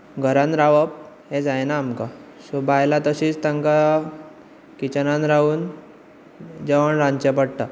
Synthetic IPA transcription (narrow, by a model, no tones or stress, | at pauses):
ɡʱəɾãnɾaʋəp̚ | hed͡zajnaːmka | subajlat̪əɕiːt͡st̪aŋka | kit͡ɕənanɾauːn | d͡ʑəʋəɳɾãnt͡ɕep̬əɽʈ̪a